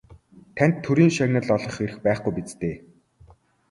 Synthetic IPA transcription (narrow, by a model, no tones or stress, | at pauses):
t̪ʰænʲt̪ʰːɵɾiːŋʃaɣʲnə̆ɮɔɮɞ̆χeɾɘ̆xpæːχɡujpit͡st̪eː